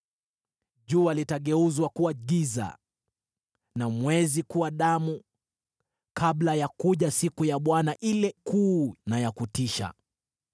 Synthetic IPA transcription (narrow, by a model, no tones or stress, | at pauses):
ʄuːalitaɠɛuzwakuwaɡiza̰ | namwɛzikuwaɗamu | kablajakuʄasikujaɓwanaʔilɛkuːnajakutiʃa̰